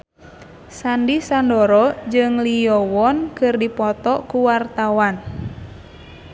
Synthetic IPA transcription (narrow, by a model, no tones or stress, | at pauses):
sandisandɔɾɔd͡ʒɨŋliɔwɔnkɨrdipɔt̪ɔkuwart̪awan